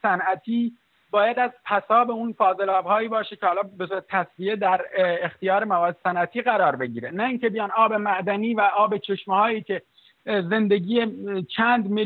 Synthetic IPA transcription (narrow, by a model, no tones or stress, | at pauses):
sænʔæt̪ʰiː | bɒːjæd̪æzpʰæsɒːbeunfɒːze̞lɒːbhɒːjiːbɒːʃecʰehɒːlɒːbesoɾt̪ʰæsvied̪æɾext̪ijɒːɾemævɒːd̪sænæt̪ʰiːɣæɾɒːɾbe̞ɟiːɾenæiːŋcʰebijɒːnɒːbe̞mæʔd̪æniːvæʔɒːbe̞t͡ʃʰe̞ʃmhɒːjiːcʲʰe̞ | ze̞nd̪e̞ɡiːet͡ʃʰæːnd̪me